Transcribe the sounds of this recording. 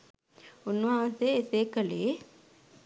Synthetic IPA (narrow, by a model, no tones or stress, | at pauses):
unʋɐɦãːnseeseːkəleː